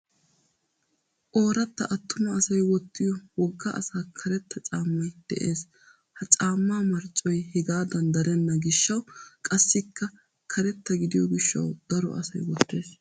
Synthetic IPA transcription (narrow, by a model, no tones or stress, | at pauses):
ʔo̞ːɾɐt̪ːɐ̰ʔɐt̪ːʊmɐːsɐjwɔt̪ːɪjɔwɔɡːɐʔɐ̰saːkʰɐɾɛt̪ːɐt͡ʃʼaːmːɐjd̪̥ɛ̰ʔeːs | hɐt͡ʃʼaːmːaːmɐɾt͡ʃʼːɔjhɛɡaːd̪ɐnd̪ɐɾɛnːɐɡɪʃːɐwkʼɐsːɪkːɐ | kʰɐɾɛt̪ːɐɡɪd̪ɪjɔɡɪʃːɐ̰wd̪̥ɐɾɔ̰ʔɐ̰sɐ̰jwɔt̪ːe̞ːs